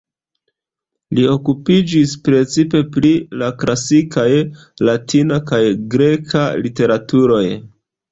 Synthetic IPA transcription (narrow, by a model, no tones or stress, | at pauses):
lio̞kupid͡ʒispɾe̞t͡sipe̞plilaklasikaj | latʰinakajɡɾe̞kʰalite̞ɾatuɾo̞j